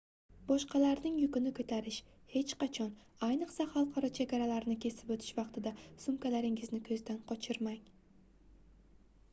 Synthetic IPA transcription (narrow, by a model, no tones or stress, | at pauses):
b̥ɒʃqʰɑlaɾnɪŋjʊkʲɪnɪkʰɵt̪ʰaɾɪʃ | he̞t͡ʃqɑt͡ʃʰɒn | ajnɨqsahɑlˠqʰɑɾɒt͡ʃʰe̞ɡʲaɾalaɾnɪkʲʰe̞sɪ̥pɵt̪ʰɪ̥ʃvɑqt̪ʰɪd̪asʊmkʲalaɾɪŋɪznɪkʰɵzd̪anqʰɒt͡ʃʰɪɾmaŋ